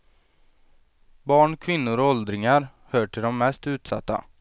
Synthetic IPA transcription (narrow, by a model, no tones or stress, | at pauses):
bɑːɳkʰvɪnːʊɾɔɔld̪ɾɪŋaɾ | hœːʈʰɪɖɔmːɛst̪ʉ̟ːt̪sa̰t̪ːa̰